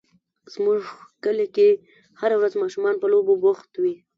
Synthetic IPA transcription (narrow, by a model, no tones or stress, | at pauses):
z̥mʊʐkəleke | haɾawɾazmɑʃumɑnpəlobobʊxt̪wi